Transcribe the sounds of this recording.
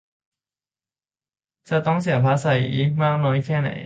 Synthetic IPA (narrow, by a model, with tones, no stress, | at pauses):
t͡ɕa˨˩t̪ɔ˥˩ŋs̬i˨˩˦əpʰa˦˧˥sa˧˩jʔi˦˥maː˥˩k̚nɔː˨˦˥jkʰɛː˥˩na̰˨˩˦j